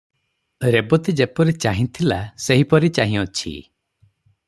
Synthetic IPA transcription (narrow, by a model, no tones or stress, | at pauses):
ɾebɔt̪id͡ʒepɔɾit͡ʃaɦĩt̪ʰilaseɦipɔɾit͡ʃaɦĩɔt͡ʃʰḭ